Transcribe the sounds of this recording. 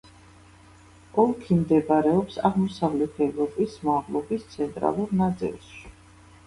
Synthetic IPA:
ɔlˠkʰimd̪ɛbaɾɛɔpsa̰ʁmɔsavlɛt̪ʰɛvɾɔpʼismɔaʁlˠɔbist̪sʰɛnt̪ʼɾa̰lˠuɾnat̪sʼḭlˠʃʃi̥

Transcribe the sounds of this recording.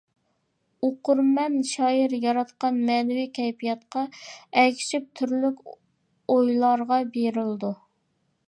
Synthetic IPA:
oqʊɾmɛnʃɑːjɪɾjɑɾɑt̪qɑnmɛnwikʲʰɛjpʰijɑt̪̚qʰɑɛkʲʰi̥ʃip̚t̪ʰyɾlykʲ | ojlˠɑɾʁɑbeɾɪld̪u

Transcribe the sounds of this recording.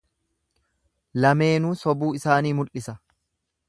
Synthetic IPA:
lɐme̞ːnuːsɔbuːɪsaːniːmʊlɪsɐ

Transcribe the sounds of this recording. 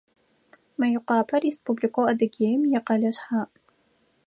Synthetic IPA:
mɐjʊqʷɑːpʰɐrispublikʷʰowɐdɐɡʲeːjmjɛqɐɮɐɕħaːʔ

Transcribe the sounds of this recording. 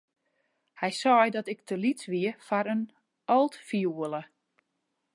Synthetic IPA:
hɛjsɔjdɔtɪktʰəlitʋiəfaɾən | ɔlˠtfiuələ

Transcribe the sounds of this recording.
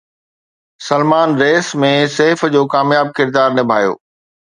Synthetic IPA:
sɐlmaːnɾeːsmẽseːfd͡ʑoːkaːmjaːb̚kɪɾd̪aːɾnɪbʱaːjo̰ː

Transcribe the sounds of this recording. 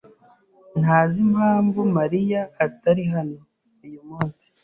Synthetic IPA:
n̥aːzimhaːmvumaɾijaːitaɾiɦano̞ | ujumuːnsi̥

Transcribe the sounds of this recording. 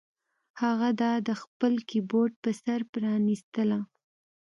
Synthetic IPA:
haɣad̪ɑd̪əxpəlkiboɖ̚pəsaɾpɾɑnist̪əla

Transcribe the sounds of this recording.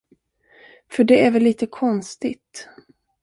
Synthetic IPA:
fœɖɛæɾvɛlːiːt̪əkʰɔnst̪ɪt̪

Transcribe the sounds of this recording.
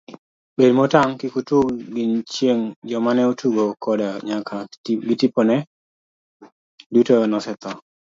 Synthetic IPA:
bedmɔtaŋkɪkutuɡɡɪnt͡ʃjeŋd͡ʒɔmanɛotʰuɡokɔdaɲakʰaɡɪtiponɛ | dutonɔsɛt̪ɔ

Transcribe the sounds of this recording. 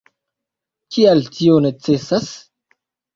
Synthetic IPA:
kialtʰionet͡sesas

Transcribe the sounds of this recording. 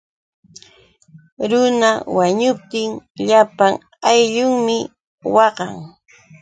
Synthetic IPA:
ɾʊnawaɲʊp̚t̪ɪŋʎapaŋ | ajʎʊŋmɪ | wɑɢɑ̰ŋ

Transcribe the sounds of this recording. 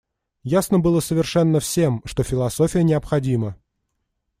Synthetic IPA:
jasnəbɨlˠəsəvʲɪrʂɛnːəfsʲe̞mʂt̪ofʲɪlˠɐso̞fʲɪjənʲɪɐpxɐdʲimə

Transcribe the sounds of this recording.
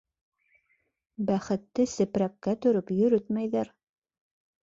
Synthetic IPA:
bæχɘ̆t̪ːɘsɘ̆pɾækkːæt̪ɵ̆ɾɵpjɵ̆ɾɵt̪mæjðæɾ

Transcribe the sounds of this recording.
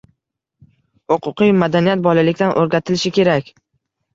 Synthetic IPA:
hoqʰʊqɨjmad̪anijat̪̚bɒlalɪkʲt̪anʔoɾɡʲat̪ʰɪlɪʃɪkʲʰe̞ɾakʲ

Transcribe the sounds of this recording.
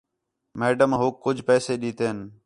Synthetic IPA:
meːɖəmɦʊkːʊd͡ʒʱpɛːseːɗiːt̪eːn

